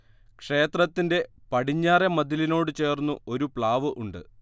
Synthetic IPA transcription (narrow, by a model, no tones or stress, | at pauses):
kʂe̞ːt̪rɐt̪ːinde̞pɐɽiɲːaːɾɐmɐd̪ilino̞ːɽɨt͡ɕe̞ːrnːuo̞ɾupɭaːʋɨʔuɳɖɨ̰